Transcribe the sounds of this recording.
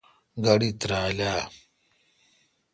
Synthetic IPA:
ɡɐɽit̪ɾaːlaː

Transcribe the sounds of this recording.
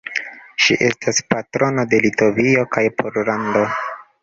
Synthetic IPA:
ʃḭʔe̞staspatɾo̞node̞lito̞vio̞kajpʰoɾlando̞

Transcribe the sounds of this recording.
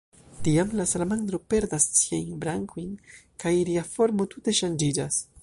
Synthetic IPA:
tiamlasalamand̪ɾo̞pe̞ɾdassiajnbɾaŋkʰojnkajliafo̞ɾmo̞tute̞ʃand͡ʒid͡ʒas

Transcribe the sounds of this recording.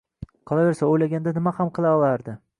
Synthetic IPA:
qʰɨlˠave̞ɾsaojlaɡʲand̪anɪmahamqʰɨlˠaɒlˠaɾd̪ɪ

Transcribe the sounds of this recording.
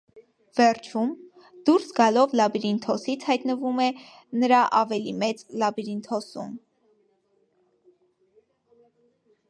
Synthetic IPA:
vɛɾt͡ʃʰum | d̪̥uɾsɡɑlɔvlɑbiɾint̪ʰɔsit͡sʰhɑjt̪nəvumɛ | nəɾɑʔɑvɛlimɛt͡slɑbiɾint̪ʰɔsṵm

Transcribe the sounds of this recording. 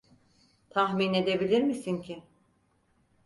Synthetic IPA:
t̪ʰaxmine̞d̪e̞bilʲiɾmisincʰɪ

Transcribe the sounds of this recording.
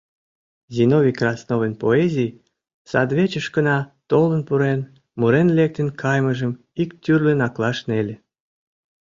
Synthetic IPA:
zʲinovʲikrɑsnovenpoezʲij | sɑd̪βet͡ɕəʃkənɑt̪olənpuɾen | muɾenlek̚t̪enkʰɑjməʒəm | ikt̪ʲyrlʲenɑklɑʃnelʲe

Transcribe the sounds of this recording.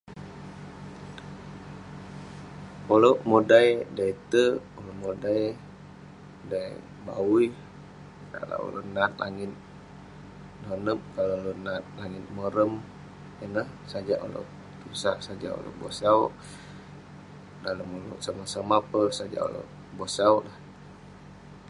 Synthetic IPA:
oloʔmodajdait̪əolomodaj | daj | baui | ka̰la̰lo̰nat̪̚laŋɪt̪̚ | nonəm̚kalolonat̪̚laŋɪt̪̚məɾəm | ənəhsad͡ʒaʔo̰lo̰ʔ | t̪usaʔsad͡ʒa̰ʔo̰lo̰bosaw | daləmolo̰ʔsamasamaapəsad͡ʒa̰ʔo̰lo̰ | bosawlah

